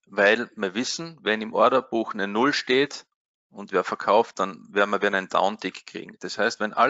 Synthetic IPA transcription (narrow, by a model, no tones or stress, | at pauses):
væɪlmiːɐʋɪsn̩vɛnɪmʔɔɐdɐb̥uːxnɛnʊlʃteːt | ʊntveːɐfɛɐkʰaʊft̚d̥anvɛɐdmɐɐɛɐnæɪnd̥a̰ʊndɪkkʁ̥ḭːɡŋ̩d̥ashæɪstvɛnʔa̰